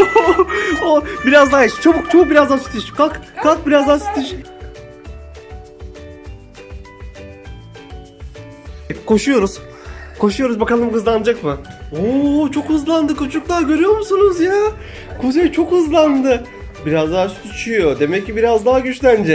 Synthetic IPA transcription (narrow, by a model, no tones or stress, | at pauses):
obiɾazd̪aɦait͡ʃt͡ʃʰabukt͡ʃʰabuk̚biɾazd̪asy̥t̪ʰiʃkakkak̚biɾazd̪aːsy̥t̪ʰiʃ | ɛkʰo̞ʃujo̞ɾuz̥ | kʰo̞ʃujo̞ɾuzbakalˠɯmkɯzlˠanɯd͡ʒakmɯot͡ʃʰo̞khɯzlˠand̪ɯkʰut͡ʃʰuk̚lˠaːɟø̞ɾyjo̞ɾmusunuzjaː | kʰuzejt͡ʃʰo̞khɯzlˠand̪ɯ | biɾazd̪aasy̥t̪yt͡ʃʰujo̞d̪e̞mɛcːibiɾazd̪aɦaɟyt͡ʃlʲænd͡ʒɛ